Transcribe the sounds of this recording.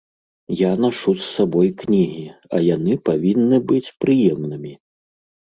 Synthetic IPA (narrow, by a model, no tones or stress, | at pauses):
janaʂusːabɔjknʲiɣʲiɐ̰janɨpavʲinːɨbɨt͡sʲpɾɨjɛmnɨmʲi